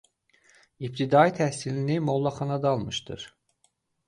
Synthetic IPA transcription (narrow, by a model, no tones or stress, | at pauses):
ip̚t̪ʰid̪ɑit̪ʰæhsilinimolˠːɑχɑnɑd̪ɑːlˠmɯʃd̪ɯ̰ɾ̥